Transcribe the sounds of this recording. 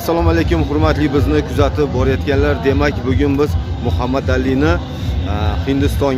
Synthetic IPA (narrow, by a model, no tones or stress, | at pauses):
asːalˠɒmalekʲʊmhʊɾmat̪lɪbɪznɪkʰʊzat̪ʰɪp̚bɒɾajɒt̪kʲanlaɾd̪e̞makʲbʊɡʲʊnbɪzmʊhamːad̪alːinɪ | hɪnd̪ɪst̪ɒŋ